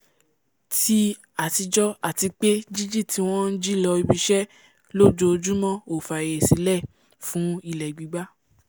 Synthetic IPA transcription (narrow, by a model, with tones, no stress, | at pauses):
ti˦ | a˨ti˨˧d͡ʒɔ˦a˦˨ti˧k͡pe˦d͡ʒi˦d͡ʒi˦˨tʰi˧˦w̃ɔ̃˦n̩˦d͡ʒi˦lɔ˧i˧bi˧ʃɛ˦ | lo˦d͡ʒo˧d͡ʒu˦mɔ̃˦˨o˨fa˨e˨si˨˦lɛ˦˨ | fũ˨˦i˦˨lɛ˨ɡ͡bi˨˦ɡ͡ba˦